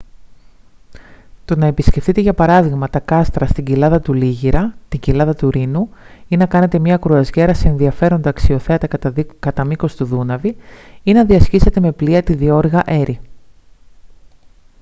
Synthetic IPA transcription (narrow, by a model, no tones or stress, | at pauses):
t̪o̞nɐe̞pisce̞fθit̪e̞ʝɐpɐɾɐðiɣmɐt̪ɐkɐst̪ɾɐst̪iɲɟilɐðɐt̪uliʝiɾɐt̪iɲɟilɐðɐt̪uɾinuinɐkɐne̞t̪e̞mɲɐkɾuɐzʝe̞ɾɐseenðiɐfe̞ɾo̞nd̪ɐɐksio̞θe̞ɐt̪ɐkɐt̪ɐmiko̞st̪uðunɐviinenɐðiɐscise̞t̪e̞me̞pliɐt̪iðio̞ɾɣɐʔe̞ɾi